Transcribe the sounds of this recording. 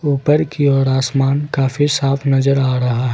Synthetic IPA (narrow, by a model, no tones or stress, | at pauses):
uːpəɾkiɔːɾaːsmaːnkaːfisaːfʰnɐzəɾaːɾɐɦaɦɛ